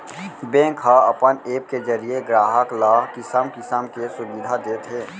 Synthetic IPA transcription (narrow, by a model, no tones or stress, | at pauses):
bẽːkɦaɐpəneːp̚kezəɾieɡɾaːɦəklaːɦkɪsəmkɪsəmkesʊbɪd̪ʱad̪eːt̪ɦeː